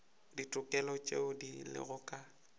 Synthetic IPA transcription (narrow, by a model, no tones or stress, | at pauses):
ditʼʊkʼɛlɔt͡ʃʼḛʊdilɪ̰ɣʊkʼa